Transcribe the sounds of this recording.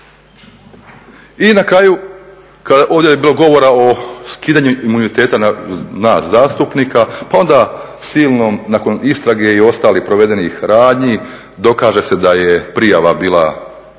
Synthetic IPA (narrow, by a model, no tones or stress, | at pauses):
inakɾaːju | kad̪aʔo̞ːʋd̪ʲjejebiːlˠo̞ɡo̞ʋo̞ɾaoskiːd̪aɲuimunit̪e̞ːt̪anaːszaːst̪upnikapao̞nd̪a | siːlˠnomnako̞nist̪ɾaɡe̞io̞st̪aːlihpɾoʋe̞d̪e̞nixɾaːd̪ɲi | d̪o̞kaːʒe̞se̞d̪ajepɾijaʋabiːla